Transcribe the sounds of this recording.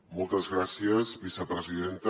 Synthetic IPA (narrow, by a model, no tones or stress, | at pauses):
mɔlˠt̪əzɣɾasiəzβisəpɾəziðent̪